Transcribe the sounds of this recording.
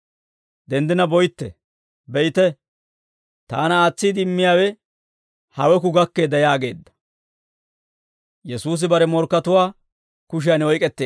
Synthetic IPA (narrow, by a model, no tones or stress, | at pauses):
d̪ɛnd̪ɪnɐbɔjt̪ːɛ̰ | bɛjt̪ɛ | t̪aːnɐaːt͡sːiːd̪ɪmːɪjaːwɛ | hɐwɛk̬ʊɡɐkːeːd̪ɐjaːɡe̞ːd̪ːɐ̥ | jɛsuːs̬ɪbɐɾɛmɔɾkːɐt̪ʊwaː | kʊʃ̬ɪjanɔjkʼɛt̪ːeː